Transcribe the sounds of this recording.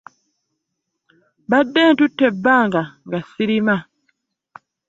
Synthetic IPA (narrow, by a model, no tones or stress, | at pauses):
badɛntutːɛbaŋɡaŋɡasiɾima